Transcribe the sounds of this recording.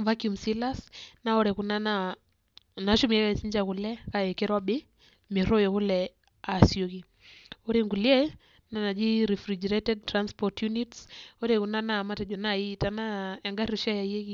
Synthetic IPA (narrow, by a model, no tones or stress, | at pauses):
vakumsilasnaɔɾɛkunana | naʃumiɛkaisiɲd͡ʒakulɛkaɛkɛɾwaɓɪ | mɪɾɔjɔkulɛ | asioɣi | ɔɾeŋɡuliɛ | nanad͡ʒiɾifɾid͡ʒɛɾɛtɛd̚tɾanspɔtjunitsɔɾɛkunanamatɛd͡ʒɔnaitanaaŋɡaɾiɾɔʃajaiɛki